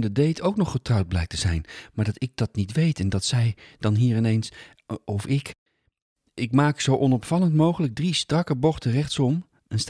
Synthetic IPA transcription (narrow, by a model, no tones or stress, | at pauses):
ndədejtʰowknɔχːətrɑwd̚blɛjk̚təzɛ̰jnmaːɹdɑtɪk̚d̥ɑtnitʋejtɛndɑtsɛjdɑnɦiːɹɪnejns | ɔfɪk | ɪkmaːksowʔɔnɔpfɑləntmowχələɡ̚dristrɑkəbɔχtərɛχtsɔm | əns